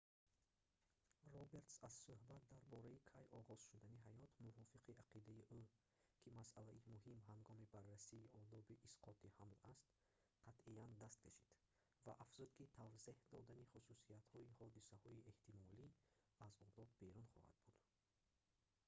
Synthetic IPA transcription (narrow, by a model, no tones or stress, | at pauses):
rɔbe̞ɾt̪sazsuhbat̪̚d̪aɾbɔɾaikʰajɔʁɔz̥ʃud̪aniɦajɔt̪muvɔfiqʰiaqʰid̪aiʔu | kʰimasʔalaimuɦimɦaŋɡɔmibarːasiːʔɔd̪ɔbiʔːsqʰɔt̪ihamlast̪ | qʰat̪ʔiand̪ast̪̚kʰaʃid̪̥ | vaʔafz̥ud̪kit̪ʰavzehd̪ɔd̪aniχususiat̪hɔihɔd̪isahɔie̞ht̪imɔli | azɔd̪ɔb̪be̞ɾunχɔ̰ha̰d̪̚bud̪̥